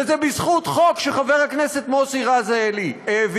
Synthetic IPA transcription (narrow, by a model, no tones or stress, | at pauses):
ezebizχut̪χo̞kʃeχaveʁhakneset̪mosiʁazaelieːv